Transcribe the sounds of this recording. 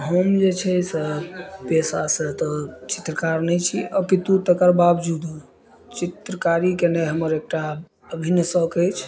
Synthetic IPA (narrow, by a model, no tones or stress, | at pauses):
ɦəmd͡ʒet͡ʃʰɛsepesasət̪ɔt͡ʃi̥t̪ɾəkaɾnəjt͡ʃʰiɔkit̪ut̪əkəɾbabd͡ʒud̪u | t͡ʃit̪ɾəkaɾikeneɦəməɾek̚ʈa | əbʱinjəsəkəjt͡ʃʰ